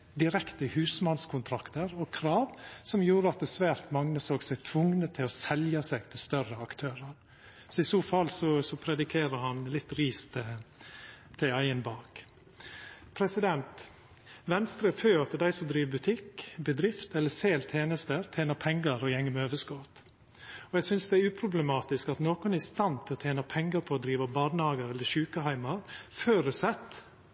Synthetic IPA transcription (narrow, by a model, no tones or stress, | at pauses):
d̪ɪɾɛkt̪əhʉːsmɑnskʰʊnt̪ʰɾɑkt̪əɾɔkʰɾɑːʋsɔmjuːɾəɑt̪̚d̪ɛsʋæːɾt̪mɑŋnəsoːɡsɛɡt̪ʰʋʊŋnət̪ʰɪlɔsɛljɑsɛɡt̪ʰɪlst̪œrəɑkt̪ʰøːɾəɾ | sɔɪsoːfɑlːsɔsɔpʰɾɛd̪ɪkʰeːɾəɾhɑnlɪt̪ːɾiːst̪ʰ | t̪ʰːɪæɪənbɑːk | pʰɾɛsɪd̪ɛnt̪ | ʋɛnst̪ɾəføːɾɑt̪̚d̪ɛd̪æɪsɔmd̪ɾiːʋbʉt̪ʰɪkːbɛd̪ɾɪft̪ɛlːəseːlt̪ʰeːnəst̪əɾt̪ʰeːnəɾpʰɛŋɡəɾɔjɛŋːəmøːʋəskɔt̪ | ɔjæɡsʏnsd̪ɛæɾʉːpʰɾʊblɛmɑːt̪ɪskɑt̪noːkʊnæɾɪst̪ɑnt̪ʰɪlɔt̪ʰjeːnɑpʰɛŋɡəɾpʰɔɔd̪ɾiːʋəbɑːd̪nɑːɡəɾɛlːəʃʉːkəhæɪmɑɾføːɾʉsɛt̪ː